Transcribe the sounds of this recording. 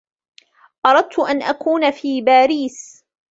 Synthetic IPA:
ʔɑɾˤɑd̪̚t̪ʊʔanʔakuːnafiːbaːɾiːs

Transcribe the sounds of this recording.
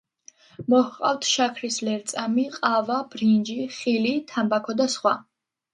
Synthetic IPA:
mɔhqʼa̰ft̪ʰʃakʰɾislɛɾt̪sʼamiqʼavab̥ɾind͡ʒiχilit̪ʰambakʰɔd̪asχwa

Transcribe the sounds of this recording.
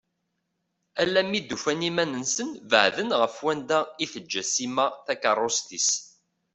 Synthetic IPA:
ælːæmːid̪ːufænimænənsənvə̰ʕðənʁəfwænd̪æiθəd͡ʒːæsimæθækɑrˤːost̪is

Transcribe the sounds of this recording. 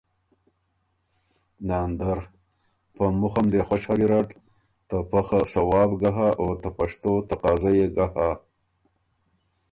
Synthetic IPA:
nand̪aɾ | pəmʊxamd̪exwaʃaɡiɾaʈ | t̪apaxasawɑbɡaɦaʔot̪apaʂt̪ot̪aqɑzajeɡaha

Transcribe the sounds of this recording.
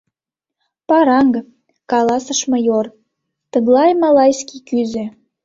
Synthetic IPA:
pɑɾɑŋɡ | kɑlɑsəʃmɤjor | t̪əɣlɑjmɑlɑjskʲikyzĕ

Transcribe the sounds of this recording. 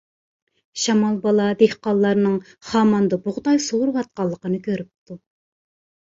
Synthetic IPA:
ʃɑmɑlˠbɑlˠɑd̪ehqɑlˠːɑɾnɨŋ | χɑːmɑnd̪ɑbʊʁd̪ɑjsowuɾwɑt̪̚qɑlˠːəqənɨkʲʰøɾyp̚t̪u

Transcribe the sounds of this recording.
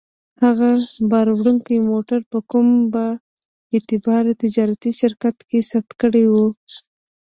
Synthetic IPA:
haɣabɑɾwɽuŋkəjmoʈaɾpəkumba | ɪt̪ɪbɑɾt̪ɪd͡ʒɑɾat̪iʃɪɾkat̪kesab̚t̪kəɽejwu

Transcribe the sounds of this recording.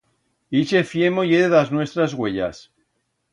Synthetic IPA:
it͡ʃefjemojeðeðaznwe̞st̪ɾazɣwe̞ʎa̰s

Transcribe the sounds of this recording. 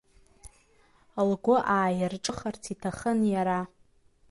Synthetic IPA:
lɡʷʊʔaːjɪrʈ͡ʂʼɨχart͡sʰitʰaχənjaɾa

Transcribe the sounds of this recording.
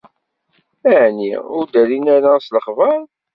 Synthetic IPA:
æʕnḭʊɾd̪ælinæɾasləχvəɾˤ

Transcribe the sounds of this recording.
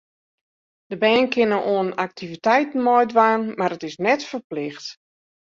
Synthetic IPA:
d̥əbɛːnkʰɪnəʔoənak̚tʰivitɛjtn̩mɔjdʋaːnmaɾətɪsnɛtfərplɪxt

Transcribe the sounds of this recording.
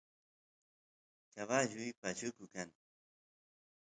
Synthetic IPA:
kaβaʎʊjpat͡ʃʊkʊkaŋ

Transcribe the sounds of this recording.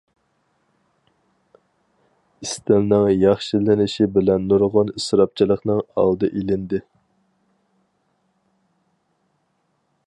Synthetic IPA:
ist̪ɪlnɨŋjɑχʃilɪnɪʃibɪlɛnːuɾʁɑnisɾɑp̚t͡ʃʰilˠəχnɨŋɑ̰lˠd̪ɨʔilɪnd̪ɪ

